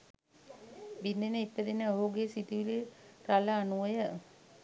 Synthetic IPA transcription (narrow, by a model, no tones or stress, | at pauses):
binːenəipːəd̪inəoɦuɡesit̪iʋiliɾaləːnuʋəjə